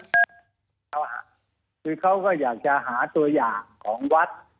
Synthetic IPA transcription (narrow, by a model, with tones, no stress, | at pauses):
a˦˧˩wɦa̰˧˩ | kʰɯː˧kʰa˦˥wkɔː˥˩jaː˨˩k̚t͡ɕa˧ʔɦaː˩˦t̪u˧ɐjaː˨˩ŋkʰɔː˩˦ŋwa˦˥t̪̚